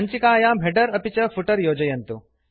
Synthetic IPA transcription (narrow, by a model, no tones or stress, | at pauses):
ɐɲt͡ɕikaːjaːm̤eɖəɾɐpit͡ɕɐfuʈəɾjoːd͡ʑɐjɐnt̪u